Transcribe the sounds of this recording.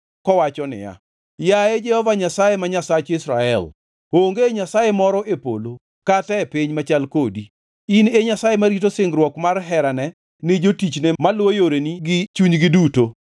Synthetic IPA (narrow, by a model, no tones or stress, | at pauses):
kɔwat͡ʃɔnɪ̰ja̰ | jaed͡ʒɛhɔvaɲasajemaɲasat͡ʃɪsɾaɛl | oŋɡeɲasajemɔɾɔʔepo̰lo | katɛpiɲmat͡ʃalkodi | ineɲasajemaɾitosɪŋɡɾwɔkmarɦɛɾanɛ | nɪd͡ʒotit͡ʃnemalwojoɾeniɡɪt͡ʃuɲɡɪduto